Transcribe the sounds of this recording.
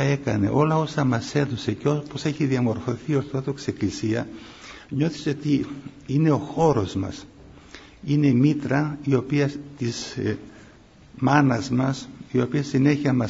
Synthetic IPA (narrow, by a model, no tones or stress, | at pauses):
e̞kɐne̞̰ʔo̞lɐo̞sɐmɐse̞ðo̞secopose̞çiðiɐmo̞ɾfo̞θioɾθot̪uekse̞klisiɐ | ɲo̞θi̥seot̪i | ine̞o̞xo̞ɾo̞zmɐ̰s | ine̞imit̪ɾɐio̞piɐt̪iz | mɐnɐzmɐsio̞piɐsine̞çiɐmɐs